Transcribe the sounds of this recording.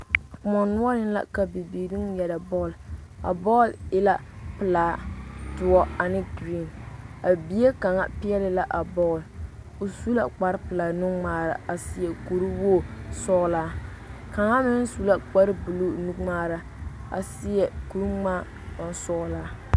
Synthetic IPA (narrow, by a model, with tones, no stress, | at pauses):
kmɔ˨nʊ˦ɔ˦nɪ˦la̰˦ka˨bi˨biː˨ɾi˦ŋ˦jɛ˨da˨bɔ˦˨la̰˨bɔː˦˨lɪ˦la˦pɨ˨laː˨tʊ˨ɔ˦a˨nɪ˦dɾi˦˨na˨bi˨˦e˦ka˨ŋa̰˦pɪ˦ɛ˦lɪ˦la˦ʔa˨bɔː˦˨l | o˨su˦la˨k͡pa˨ɾpɨ˨laː˨nu˦ŋ͡maː˦˨ɾa̰˨a˨sɪ˦jɛ˨ku˨ɾu˦woː˦˨sɔ˦laː˦ | ka˨ŋa˦mɪ˦n˦su˦la˦k͡pa˦ɾɨ˦bu˨lu˦nu˦ŋ͡maː˦ɾa˦ | a̰˨sɪ˦jɛ˨ku˨ɾu˦ŋ͡maː˦ | a˨n˦sɔ˦laː˦